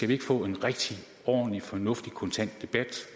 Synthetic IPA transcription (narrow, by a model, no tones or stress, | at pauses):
sɡ̥æʋie̝ɡ̥əfɔ̰̽ːe̝nʁeɡ̥̚d̥i | ɒ̰ːn̩lifɒ̽nɔ̽fd̥ikʰɔ̽nt͡sʰæn̰d̥ːe̝b̥æd̥